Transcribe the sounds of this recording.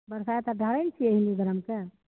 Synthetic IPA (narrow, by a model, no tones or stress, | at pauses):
bəɾsaet̪aɖʱəɽəjnt͡ʃʰieɦiniɡəɾəmke